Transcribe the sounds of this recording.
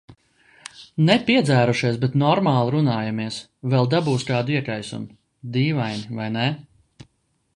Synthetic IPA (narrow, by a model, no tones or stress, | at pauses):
nɛpʲiɛd̪zæːɾuʃiɛsbɛt̪nɔɾmaːlˠɾunaːjamiɛs | vɛlˠd̪abuːskaːd̪iɛkajsṵm | d̪iːvajnʲivajnɛ